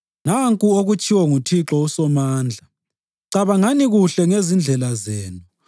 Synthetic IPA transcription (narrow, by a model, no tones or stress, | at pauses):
naŋkʼuoɣut͡ʃʰʼiwɔŋutʰiǁɔusɔmaːnd͡ɮʱa | ǀaβaŋaniɣuɬɛŋezind͡ɮʱɛlazeːnu